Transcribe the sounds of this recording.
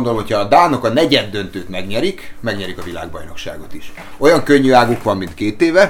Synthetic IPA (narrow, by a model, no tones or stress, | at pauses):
nd̪olmho̞cʰɒːd̪aːno̞kɒnɛɟɛd̪ːø̞nt̪øːt̪mɛɡɲɛɾikmɛɡɲɛɾikɒvila̰ːɡbɒ̰jno̞̰kʃa̰ːɡo̞t̪iʃ | o̞jɒŋkøɲːyaːɡukʋɒmːint̪keːt̪eːvɛ